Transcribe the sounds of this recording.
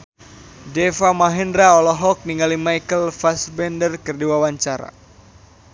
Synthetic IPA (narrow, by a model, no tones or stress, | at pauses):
dɛfamaɦɛndɾaɔlɔɦɔk̚niŋalimajkəlfasbɛndərkərdiwawaɲt͡ʃaɾa̰